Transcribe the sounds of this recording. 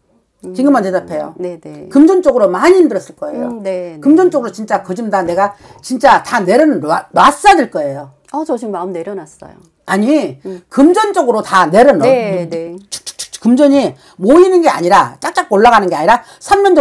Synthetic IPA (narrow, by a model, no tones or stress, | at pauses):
t͡ɕiŋɡɯmante̞dapʰe̞jo̰nenekɯmd͡ʑʌnt͡ɕ͈oɡɯɾomaɲiindɯɾʌs͈ɯɭk͈ʌe̞̰joekɯmd͡ʑʌnt͡ɕ͈oɡɯɾot͡ɕint͡ɕ͈akɯd͡ʑɯmdane̞ɡa | t͡ɕint͡ɕ͈atane̞ɾɯnaɾas͈adɯɭk͈ʌe̞jo | at͡ɕʌd͡ʑʰiŋmaɯmneɾjʌnas͈ʌ̰jo̰ | aɲikɯmd͡ʑʌnt͡ɕ͈ʌɡɯɾotane̞ɾɯnet͡ɕk̚t͡ɕk̚t͡ɕkɯmd͡ʑʌɲi | moinɯnɡe̞a̰ɲiɾat͡ɕ͈ak̚t͡ɕ͈akoɭːaɣanɯnɡeaɲiɾa | sʰanɲʌnd͡ʑ